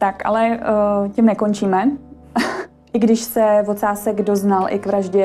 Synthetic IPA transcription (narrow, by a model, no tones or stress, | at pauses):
t̪aka̰lɛcɪmnɛkont͡ʃiːmɛ | ʔɪɡdɪʃsɛvot̪saːsɛɡdo̞znalʔɪ̰kvɾaʒɟɛ